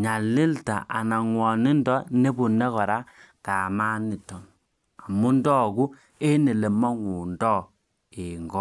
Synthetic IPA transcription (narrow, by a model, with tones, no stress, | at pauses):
ɲa˨li˦lta̰˨ʔa̰˨na˨ŋwɔ˨ni˦ndɔ˦ne˦bu˨nɛ˦kɔ˨ɾa˦ | ka˨ma˦ni˨tɔ˨n | a˨mu˦ndɔ˦˨ku˦ | e˦ne˨le˨ma˦ŋu˨ndɔ˦˨ | e˨ŋɡɔ˦